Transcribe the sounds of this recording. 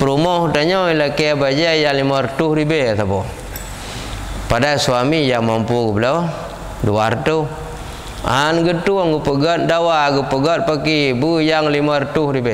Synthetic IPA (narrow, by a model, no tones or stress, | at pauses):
pəɾumɔht̪aɲɔilakebad͡ʒajaŋlimart̪uhɾibeat̪apɔ | padasuamijaŋmampukəbəlɔ | duart̪u | a̰anɡət̪uaŋɡəpəɡɔt̪̚dawaɡupəɡɔt̪̚pakibəjaŋlimart̪uhɾibe